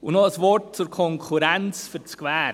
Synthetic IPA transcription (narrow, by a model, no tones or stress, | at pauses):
ʊnɔəsvɔɾt̚t͡suɾkʰɔŋkʰuɾɛnt͡sfɪɾt͡skvɛːɾ